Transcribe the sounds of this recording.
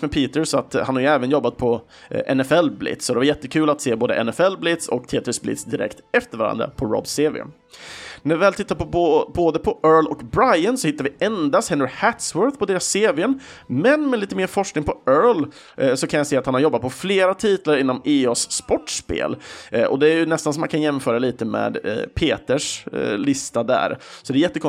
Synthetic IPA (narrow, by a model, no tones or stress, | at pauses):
mɛpʰiːt̪əɾsɔat̪hanhaɾjɵɛːvənjɔbːat̪̚pʰɔ | ʔɛ̰nɛfɛlblɪ̰t̪sɔd̪ɛvaɾjɛt̪ːəkʰʉ̟ːlat̪seːboːd̪ə̰ʔɛ̰nɛfɛlːblɪt̪sɔ̰kt̪ʰeːt̪ɾɪsblɪ̰t̪sd̪ɪɾɛ̰kt̪ɛft̪əɾvaɾa̰nd̪ɾa̰pʰɔɾɔ̰bseːvɪ̰ə̰n | næɾvɪvɛːlt̪ʰɪt̪ːaɾpɔboːd̪əpʰɔʔœːɭɔkbɾajənsɔhɪt̪ːaɾvɪɛnd̪ast̪hɛnːəɾhæt̪swœɾθpʰɔd̪eːɾasːeːvɪənmɛnmɛliːt̪əmeːɾfɔʂknɪŋpʰɔœːl | sɔkʰanjaseːat̪hanhaɾjɔbːat̪̚pʰɔfleːɾat̪ʰiːt̪laɾɪnːɔmeːoːsːpɔʈːʂpḛːlʔɔ̰d̪ɛæɾjɵnɛst̪ansɔmːankʰanjɛmfœːɾaliːt̪əmɛ̰ːd̪pʰeːt̪əʂlɪst̪ad̪æ̰ːɾsɔd̪ɛjɛt̪ːəkʰɔ